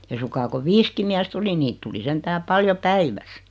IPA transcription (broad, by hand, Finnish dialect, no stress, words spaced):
ei suŋkɑː ko ʋiːski miæst oli niːt tuli sentæː pɑljo pæiʋæs